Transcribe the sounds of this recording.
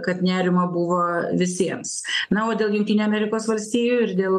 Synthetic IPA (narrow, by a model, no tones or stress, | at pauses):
kɐt̪nʲæːɾʲɪmɐbʊʋoːʋʲɪsʲiɛmsnɐoːd̪ʲeːlˠjʊŋkt̪ʲiːnʲuɐmʲɛɾʲɪkoːsʋɐlʲsʲt̪ʲiːjuɪɾd̪ʲeːlˠ